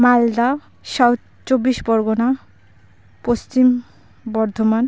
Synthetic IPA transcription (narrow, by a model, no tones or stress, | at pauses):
mald̪a | ʃɔw | t͡ɕobːiʃbɔɾɡona | post͡ɕim | bɔɾd̪ʱoman